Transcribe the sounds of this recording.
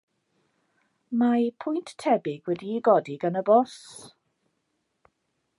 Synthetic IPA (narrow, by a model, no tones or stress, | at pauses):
mapʰʊjnttʰːɛbɪɡwɛdiːɡɔdiɡənəbɔs